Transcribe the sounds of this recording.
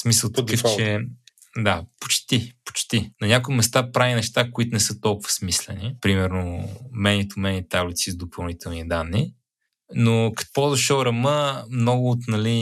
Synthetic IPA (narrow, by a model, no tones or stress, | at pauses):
smisəlˠt̪kəft͡ʃɛ | d̪apo̥t͡ʃt̪ipo̥t͡ʃt̪inɐnʲakʊimɛst̪apɾavinɛʃt̪akoit̪ʊnɛsɤt̪ɔlˠkʊvə̥smislɛnipɾimɛɾnomɛnit̪ʊmɛnit̪ablit̪sizd̪opɐlˠnit̪ɛlˠnid̪anːi | nokɐ̥kpɔd̪ɐʃəɾɐməmnɔɡʊːt̪nɐli